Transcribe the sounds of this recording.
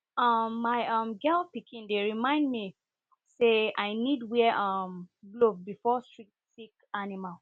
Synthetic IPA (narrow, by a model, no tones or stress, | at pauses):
ʌmːaɪʌ̃mɡɛlpikʰĩndeɹimãɪ̃ndmi | seaɪnidwɛʌmblovbifɔstɹi | tikanimal